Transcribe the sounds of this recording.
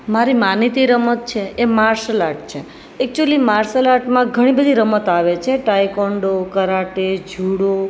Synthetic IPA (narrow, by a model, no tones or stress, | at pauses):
maɾimanit̪iɾəmət̪̚t͡ʃʰeʔemaɾslaʈ̚t͡ʃʰe | ek̚t͡ʃuəlimaɾsəlaʈmãɡʱəɽ̃ibəd̪ʱiɾəmət̪aʋet͡ʃʰeʈajkoɳɖokəɾaʈed͡ʒʱuɽo